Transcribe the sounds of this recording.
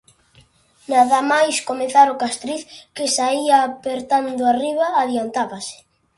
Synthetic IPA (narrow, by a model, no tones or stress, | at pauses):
naðamajskomeθaɾʊkast̪ɾiθkɪsaiapeɾt̪and̪ʊariβaːðiant̪aβasɪ̥